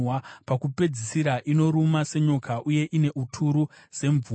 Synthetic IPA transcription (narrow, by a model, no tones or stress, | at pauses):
wapakupe̞d͡zisiɾaʔino̞ɾumase̞ɲo̞kaʔuje̞ʔine̞ʔutʰuɾuse̞ɱv